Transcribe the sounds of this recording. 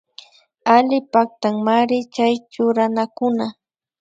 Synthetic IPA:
alɪpak̚t̪aŋmaɾɪt͡ʃajt͡ʃʊɾanakʊna

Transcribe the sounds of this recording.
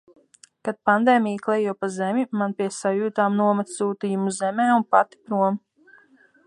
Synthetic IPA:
kad̪̚pand̪eːmʲijklˠɛjuɔpazɛmʲimanpʲiɛsajuːt̪aːmnuɔmat̪ssuːt̪ijumuzzɛmɛːunpat̪i̥pɾuɔm

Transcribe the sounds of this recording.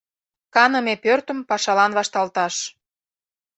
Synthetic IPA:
kɑnə̆mepørt̪ə̆mpɑʃɑlɑnβɑʃt̪ɑlt̪ɑʃ

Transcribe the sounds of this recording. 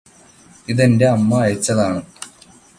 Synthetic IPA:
iðe̞nde̞ɐmːɐːjɐt͡ɕːɐðaːɳɨ

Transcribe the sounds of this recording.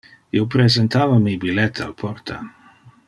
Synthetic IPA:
jowpɾezent̪aːvamibilɛt̪ʰa̰lpʰort̪ʰa̰

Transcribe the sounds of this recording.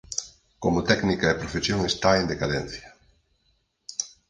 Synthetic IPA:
komʊt̪ɛknikaepɾofesjoŋest̪aend̪ekaðɛn̟θjɐ

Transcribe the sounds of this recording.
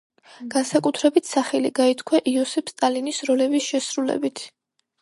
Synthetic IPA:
ɡ̥ansakʼut̪ʰɾɛbit̪ʰsaχɛliɡait̪ʰkʰwɛʔiɔsɛpʰst̪ʼalinisɾɔlɛbisʃɛsɾulɛ̰bit̪ʰ

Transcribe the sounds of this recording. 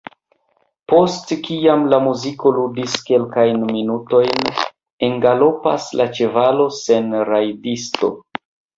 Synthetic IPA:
po̞stkiamlamuziko̞ludiske̞lkajnminuto̞jn | e̞ŋɡalo̞pa̰slat͡ʃe̞valo̞se̞nɾajdisto̞̰

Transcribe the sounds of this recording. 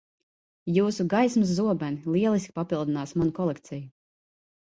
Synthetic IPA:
juːsuɡajsmɨs̬ːuɔbanilˠiɛlˠiskʲpapilˠd̪inaːsmanukɔlˠɛkt̪sɛju

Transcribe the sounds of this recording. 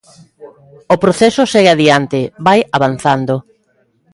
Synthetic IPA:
opɾoθɛsʊseɣeaðiant̪ɪβajaβan̟θand̪o

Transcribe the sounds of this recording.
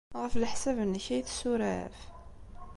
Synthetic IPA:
ʁəflħsævənːəçæjθsuɾæ̰f

